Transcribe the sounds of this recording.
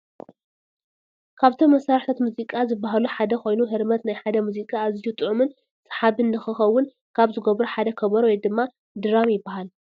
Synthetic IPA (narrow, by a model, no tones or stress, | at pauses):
kʰaβt̪ʰomːɐsaɾħt̪ʰɐt̪muzikʼazɨbːaɦaluħad̪ɐko̞jnuɦɨɾmɐt̪najħad̪ɐmuzikʼaːzijut̪ʼɨʕumɨn | sʼɨ̥ħaβɨnd̪ɐxɨxɐwːʊn | kʰaβzɨɡɐβɾuħad̪ɐkʰɐβɐɾwɔjd̪ɨmːa | d̪ɨɾamjɪbːahal